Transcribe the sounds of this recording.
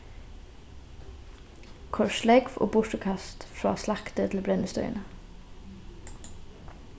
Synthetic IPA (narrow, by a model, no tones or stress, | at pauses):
kʰɔʃlɛɡfo̰ːbʊʃʈəkʰɑst̪fɹɑ̰ːslɑkt̪ət̪ʰl̩bɾɛnəst̪œ̰ʏ̰nə